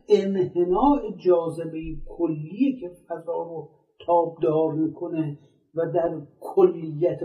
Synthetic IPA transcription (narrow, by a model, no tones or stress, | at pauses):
enhenɒːʔed͡ʒɒːzebejekʰolːiːjekʰe̞fæzɒːɾo | t̪ʰɒːb̚d̪ɒːɾmiːkʰone | væd̪æɾkʰolːijːæt̪ʰ